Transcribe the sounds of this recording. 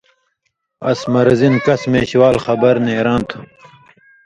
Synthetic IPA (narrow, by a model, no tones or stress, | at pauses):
ɐ̰smɐɾɐzinkɐsmeːɕwaːlxɐbɐɾneːɾãːnt̪ʰu̥